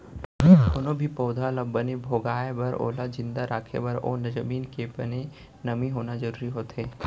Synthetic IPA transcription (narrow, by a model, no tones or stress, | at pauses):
ʊnõbʱipoːd̪ʱalɐbːɐnebʱoːɡaːebɐɾo̰ːlad͡ʒɪ̃nd̪aɾaːkʰḛbɐɾo̰ːnɐd͡ʒəmiːnkebɐne | nɐmiɦoːnad͡ʒəɾuːɾiɦoːt̪ɦeː